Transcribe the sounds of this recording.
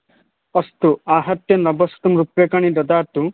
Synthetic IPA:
ɔst̪uaːɦɐt̪jɐnɐbɔst̪umɾupjɐkaɳ̃id̪ɔd̪aːt̪u

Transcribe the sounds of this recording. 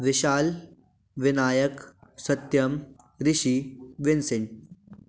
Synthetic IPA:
ʋɪʃaːl | ʋɪnaːjɐksɐt̪jɐm | ɾɪʃiːʋɪnsɪn

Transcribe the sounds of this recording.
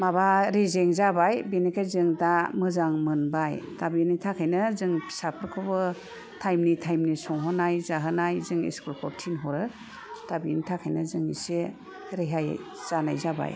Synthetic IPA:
mabaɾezeŋzabajbenekʰajzɯŋdamɯzaŋmɯnbajtabinitʰakʰajnɯzɯŋpʰi̥sapʰɯɾkʰɯbɯ | tʰajmnitʰajmnisɔŋɦɔnajzaɦɯnajzɯŋḭskulkʰɔɾtʰinɦɔɾɯ | tabinitʰakʰajnɯzɯŋnḭse | ɾeɦaj | z̥anajzaba̰j

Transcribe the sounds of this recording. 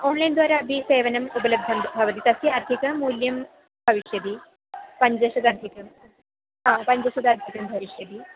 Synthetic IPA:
onlajnd̪ʋaːɾabʱiseʋɐnɐmupələb̚d̪ʱɐmbʱaʋət̪iːt̪ɐsiaɾt̪ʰikəmuljɐm | bʱɐʋiɕjəd̪iː | pɐɲd͡ʑɐsɐd̪aɾt̪ʰikə | ɦãpɐɲd͡ʑɐsud̪aɾt̪ʰikɐmbʱɐʋiɕjəd̪iː

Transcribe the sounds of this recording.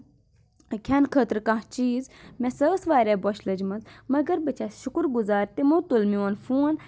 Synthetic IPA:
kʲʰɐnkʰəːt̪ɾkaht͡ʃiːzmẽsəːsʋaːɾʲebɔʃʰlɐd͡ʒmɐnzmɐɡəɾbət͡ʃʰasʃʊkɾɡuzaːɾt̪imut̪ulmiwɐnfuːn

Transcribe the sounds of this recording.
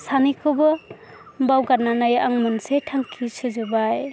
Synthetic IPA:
sanikʰɔbɔ | mbawɡananajaŋmɯnsetʰaŋkʰisɯzɔbaj

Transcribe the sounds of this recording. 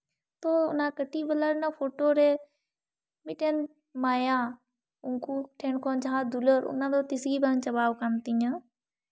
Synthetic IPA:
t̪oːʊnãːkəʈiːbəlaːɾnapʰoːʈoːɾe | mɪʈen | maːjãː | ʊŋkuʈʰeɳkʰoːnd͡ʒãːd̪uləɾʊ̰nãːd̪ot̪ɪsɡiːbant͡ʃəbaːʋkamt̪iɲã

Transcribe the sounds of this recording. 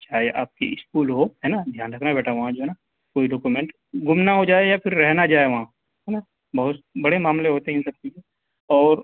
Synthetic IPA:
t͡ʃaːɦeʔa̰ːp̚kḭʔɪskuːlɦoɦɛːnad̪ʱjaːnɾɐkʰnabɛːʈʰaʋɐɦãd͡ʒoːɦɛna | koːiɖoːkumẽːɳʈ | ɡʊmnaɦod͡ʒaːejapʰɪɾːɛɦnad͡ʒaːeʋɐɦã | ɦɛna | bɐɦʊt̪bɐɽemaːmleɦoːt̪eɦĩsɐk̚t̪ie | ɔːɾ

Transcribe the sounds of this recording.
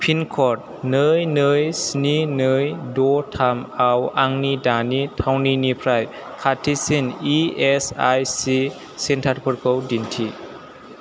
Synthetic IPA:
pʰinkʰɔt̚ | nɯjnɯjsninɯjdɔtʰamawaŋnidanitʰawninipʰɾaj | kʰatʰisiniesajsi | sentʰaɾpʰɯɾkʰɯwdintʰi

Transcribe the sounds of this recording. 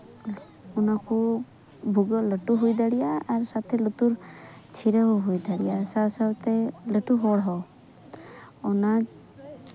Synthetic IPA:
ɔnakʰu | bʱuɡɔləʈuɦujd̪aɽijaːɾsat̪ʰɛlut̪uɾt͡ʃʰiɾəɦɔɦojd̪ʱaɽijasasawt̪ɛləʈuɦɔɽɦɔ | ɔna

